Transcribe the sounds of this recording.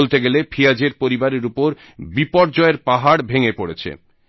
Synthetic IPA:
lt̪eɡelepʰijad͡ʑeɾpoɾibaɾeɾupoɾ | bipɔɽd͡ʑɔeɾpaɦaɽbʱeŋepoɽet͡ɕʰḛ

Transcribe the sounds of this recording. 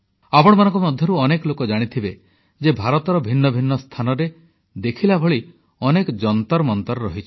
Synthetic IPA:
apɔɽ̃ɔmanɔ̃ŋkɔmɔd̪ʱjɔɾuɔnekɔlokɔd͡ʒaɽ̃it̪ʰibe | d͡ʒebʱaɾɔt̪ɔɾɔbʱinːɔbʱinːɔst̪ʰanɔɾe | d̪ekʰilabʱoɭi | ɔnekɔd͡ʒɔnt̪ɔɾmɔnt̪ɔɾɾɔɦit͡ʃʰi̥

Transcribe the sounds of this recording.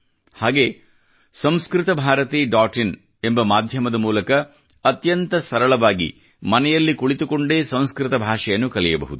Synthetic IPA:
haːɡe̞ː | sɐ̃m̃skɾɪt̪ɐbʱaːɾɐt̪iːɖaːʈin | e̞mbɐmaːd̪ʱjɐmɐd̪ɐmuːlɐkɐː | t̪jɐnt̪ɐsɐɾɐɭɐʋaːɡḭ | mɐnɛjɐlːikuɭit̪ukoɳɖeːsɐ̃w̃skɾɪt̪ɐbʱaːʂɛjɐnːukɐɭɛjɐbɐ̰ɦud̪u

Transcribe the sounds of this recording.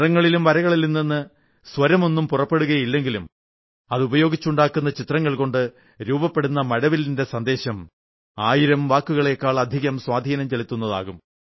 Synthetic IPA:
rɐŋːɐɭilumʋɐɾɐɣɐɭilninːinːɨ | sʋɐɾɐmo̞nːumpurɐpːe̞ɽuɣɐjilːe̞ŋɡilum | ɐðubɐjo̞ːɡit͡ɕːuɳɖaːkːunːɐt͡ɕit̪rɐŋːɐɭko̞ɳɖɨ | ɾuːbɐpːe̞ɽunːɐmɐɽɐʋilinde̞sɐnd̪e̞ːɕɐm | aːjiɾɐmʋaːkːuɣɐɭe̞ːkːaːɭɐd̪ʱiɣɐmswaːd̪ʱiːnɐmt͡ɕelit̪ːunːɐða̰ːɣum

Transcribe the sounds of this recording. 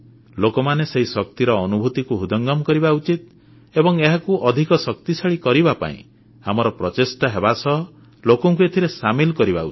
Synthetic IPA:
lokɔmaneseɦisɔk̚t̪iɾɔːnubʱut̪ikuɦud̪ɔŋɡɔmɔkɔɾibaut͡ʃit̪̚ | ebɔŋeɦakuʔɔd̪ʱikɔsɔk̚t̪isaɭikɔɾibapa̰ḭ̃ | a̰mɔɾɔpɾɔt͡ʃesʈaɦebasɔɦɔ | lokɔŋk̬uet̪ʰiɾesamilkɔɾiba̰ṵt͡ʃ

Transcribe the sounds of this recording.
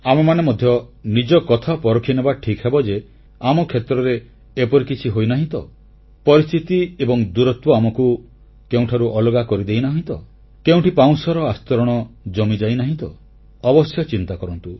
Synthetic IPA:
amemanemɔd̪ʱjɔnid͡ʒɔkɔt̪ʰapɔɾɔkʰinebaʈʰikɦebɔd͡ʒe | amɔkʰet̪ɾɔɾeː | pɔɾikit͡ʃʰiɦojnaɦĩt̪ɔ | pɔɾist̪ʰit̪iebɔŋd̪uɾɔt̪wɔamɔku | keũʈʰaɾuʔɔlɔɡakɔɾid̪ejnaɦĩt̪ɔ | keũʈipaw̃sɔɾɔast̪ɔɾɔɽ̃ɔd͡ʒɔmid͡ʒajnaɦĩt̪ɔ | ɔbɔsjɔt͡ʃint̪akɔɾɔnt̪u

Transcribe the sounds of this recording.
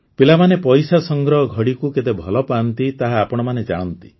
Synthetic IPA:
pilamanepɔjsasɔŋɡɾɔɦɔɡʱɔɽikuket̪ebʱɔlɔpant̪it̪aɦaːpɔɽ̃ɔmaned͡ʒaɽ̃ɔnt̪i̥

